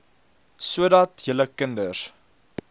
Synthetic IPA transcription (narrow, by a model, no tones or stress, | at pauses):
suədɐtjələkəndər